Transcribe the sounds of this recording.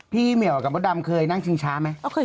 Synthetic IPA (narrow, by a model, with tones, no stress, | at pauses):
pʰiː˥˩mi˨˩əwa˨ka˧˩bɔː˧˦˥da˧mkʰɤː˧jna˥˩ŋt͡ɕʰi˧ŋt͡ɕʰaː˦˥ma˦˥jʔa˧˩wkʰɤː˧˩